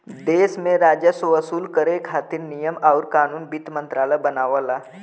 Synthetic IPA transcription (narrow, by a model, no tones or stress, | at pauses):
d̪eːsmẽɾaːd͡ʒəsoəsuːlkəɾekʰaːt̪ɪɾnijəmɔːɾkaːnuːnbit̪mə̃nt̪ɾaːləjbənaːʋalaː